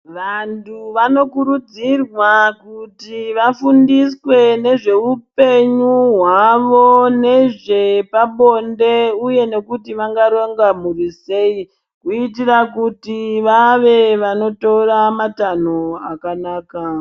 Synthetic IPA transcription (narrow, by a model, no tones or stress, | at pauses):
ʋantʰuʋano̞kuɾud͡zirwakutiʋafundiswe̞ne̞ʐe̞upe̞ɲuɦwaʋone̞ʐe̞paɓo̞nde̞uje̞ne̞kutiʋaŋɡaɾoŋɡamurise̞i | kuitirakutiʋaʋe̞ʋano̞to̞ramatanoakanaːka